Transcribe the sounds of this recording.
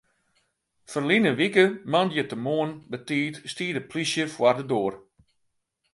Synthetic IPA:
fərlinəʋikəmandjətəmoːənbətiːtstiːdəpʰlisjəfwardədoːr

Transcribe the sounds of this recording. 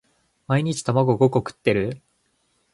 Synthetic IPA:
maiɲ̟it͡ɕi̥t̪amaɡo̞ɡo̞ko̞kɯ̟̥t̪ːe̞ɾɯ̟

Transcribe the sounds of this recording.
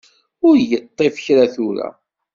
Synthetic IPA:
ʊɾjət̪ˤːefə̥çɾaθuɾæ̰

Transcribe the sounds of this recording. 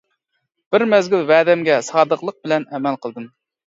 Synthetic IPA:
b̥ɪɾmɛzɡʲylvɛːd̪ɛmɡʲɛsɑːd̪əqlˠəq̚bɪlɛnɛmɛlˠqʰəlˠd̪ɨm

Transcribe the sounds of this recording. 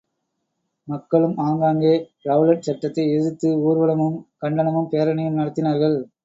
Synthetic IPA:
mɐkːɐɭɯmaːŋɡaːŋɡeːɾɐʋlɐʈ̚t͡ʃɐʈːɐt̪ːɐɪɛðɯt̪ːɯuːɾʋɐɭɐmɯmkɐɳɖɐnɐmɯmpejːɐɾɐnɐjɯmnɐɽɐt̪ːɪnaːɾɣɐɭ

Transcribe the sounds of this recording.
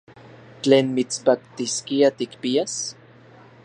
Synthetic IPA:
t͡ɬeːnmit͡spakt̪iskiat̪ikpias

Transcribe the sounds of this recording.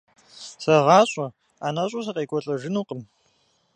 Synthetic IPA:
sɐʁɑːɕʼɐ | aːnɐɕʼʊs̬ɐqʼeːkʷʼɔɬʼɐʒɪnuːqʼəm

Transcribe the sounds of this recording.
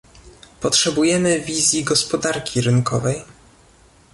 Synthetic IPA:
pɔtʂɛbujɛmɘvʲizʲjiɡɔspɔd̪aɾkʲʰiɾɘnkɔvɛj

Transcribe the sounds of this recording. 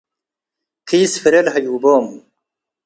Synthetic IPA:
kʰiːsfiɾelɦɐjuːboːm

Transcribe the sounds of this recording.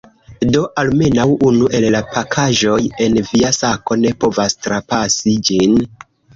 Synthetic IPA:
do̞ʔalme̞nawunuʔe̞llapakʰaʒo̞je̞nviasako̞ne̞po̞vastɾapasid͡ʒin

